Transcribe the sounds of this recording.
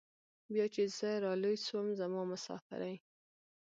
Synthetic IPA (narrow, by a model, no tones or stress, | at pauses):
bjɑt͡ʃez̥əɾɑlujswəmzamɑmʊsɑ̰fɪ̰ɾaj